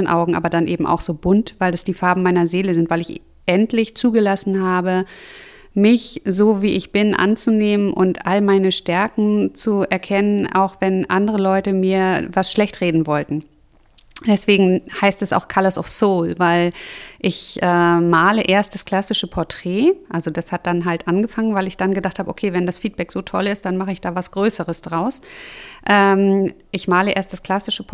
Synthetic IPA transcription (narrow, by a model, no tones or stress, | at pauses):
ənʔa̰ʊɡŋ̩ʔaːbɐdanʔeːbm̩ʔa̰ʊxz̥oːbʊntvaɪldasd̥iːfaɐbm̩maɪnɐzeːləzɪntvaɪlɪç | ʔɛntlɪçt͡suːɡəlasn̩ɦaːbə | mɪçzoːviːʔɪçb̥ɪnʔa̰nt͡suneːmənʔʊ̰ntʔalmaɪnəʃtɛɐkŋ̩t͡suɛɐkʰɛnəna̰ʊxv̥ɛnʔandəʁ̞əlɔʏtəmiːɐvasʃlɛçtʁeːdn̩vɔltn̩ | d̥ɛsv̥eːɡŋ̩haɪstɛsa̰ʊxkʰalasɔ̰fsoːlvaɪlʔɪçʔɛːmaːləʔeːɐst̚d̥askl̥asɪʃəpʰɔɐtʁ̥ɛːʔalzod̥ashat̚d̥anɦaltʔanɡəfaŋənvaɪlɪçd̥anɡədaχthaːbəʔo̰kʰeːvɛndasfiːt̚b̥ɛkz̥oːtʰɔlɪst̚d̥anmaχəɪçd̥aːvasɡ̥ʁøːsəʁəsd̥ʁaʊsʔɛːmʔɪçmaːləʔeːɐstd̥askl̥asɪʃəpʰ